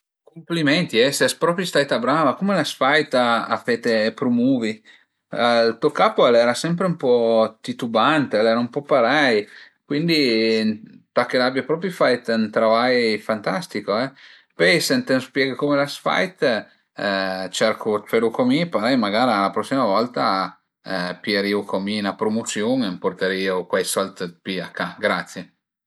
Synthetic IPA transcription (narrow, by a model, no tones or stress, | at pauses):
komplimɛnt̪iɛsɛspɾɔːpɾist̪ajt̪abɾaːvakomelasfajt̪a̰fet̪epɾomuːvi | alt̪uokaːpoɛlɛːɾasɛmpɾeumpɔt̪it̪ubant̪eɛlɛːɾaumpɔpaɾɛj | kwind̪int̪akːelabjapɾɔːpɾjufajt̪nt̪ɾovajfant̪ast̪ikoɛ | pɔjsent̪enspjɛːɡakomelasfa̰jt̪ | t͡ʃɛɾkʰut͡ʃeɾukomipaɾɛjmaɡaːɾialapɾɔsːimavɔlt̪a | pieɾiokominapɾomot̪sjoːnemport̪eɾiːokwajsɔlt̪piakːaɡɾat̪sːje